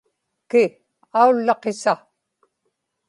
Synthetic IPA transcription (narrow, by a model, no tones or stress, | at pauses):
kɪ | aulːɑqesa